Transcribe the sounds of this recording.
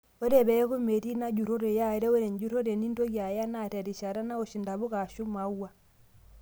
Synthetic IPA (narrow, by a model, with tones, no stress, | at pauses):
o˦ɾe˦˨βɛ˨˦ɣo˦me˨ɾi˦na˦d͡ʒu˨ɾo˦ɾe˨ja˦e˦ɾɛ˦o˦ɾe˨ɲd͡ʒu˦ɾo˦ɾe˨ni˦nto˦ɣja˨ja˦na˦tɛ˨ɾi˨ʃa˨ɾa˦na˦o˨ʃi˨nda˨βu˦ɣa˨ʃu˦ma˨wa˦